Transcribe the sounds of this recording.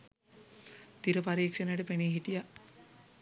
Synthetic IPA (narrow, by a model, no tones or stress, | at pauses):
t̪iɾəpaɾiːkʂənəʈəpeniɦiʈija